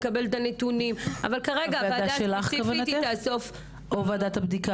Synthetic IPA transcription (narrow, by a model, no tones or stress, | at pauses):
kabelt̪anet̪unima̰valkaʁeɡaavadad̪aʃelaχkavainat̪iaso̞f | ʔovead̪at̪habd̪ika